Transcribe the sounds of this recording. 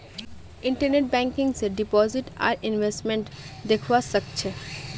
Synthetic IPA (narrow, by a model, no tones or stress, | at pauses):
ɪ̃ɳʈəɾneʈ̚bɛ̃ːŋkɪ̃ŋɡsɖɪpɔːzɪʈa̰ːɾɪnʋesʈmẽɳʈd̪ekʰʋasək̚t͡ʃʰe